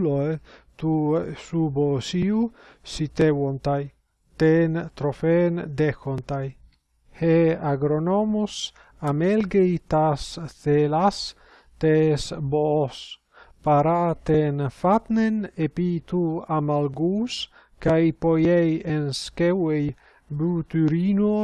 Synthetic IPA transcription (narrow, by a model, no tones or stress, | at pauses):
loet̪usubosiu | sit̪ewont̪aj | t̪ent̪ɾofend̪exont̪aj | heaɡɾonomus | amelɡejt̪asθelas | t̪esbos | paɾat̪enfat̪nenepit̪uamalɡus | kajpojejenskewej | but̪yɾino